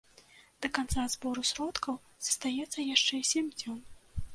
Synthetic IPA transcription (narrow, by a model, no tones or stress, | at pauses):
d̪̥ɐkant̪sazbɔɾusɾɔt̪kɐw | z̥ɐ̥st̪ajɛt̪sːɐjaʂt͡ʂɛisʲemʲd͡zʲɔn